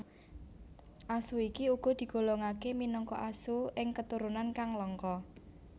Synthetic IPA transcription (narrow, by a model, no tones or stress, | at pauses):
ʔasuikiuɡ̥ɔ̤d̪̥i̤ɡ̥o̤loŋakeminɔŋkɔ̰ʔasuɪŋkət̪uɾunankaŋlɔŋkɔ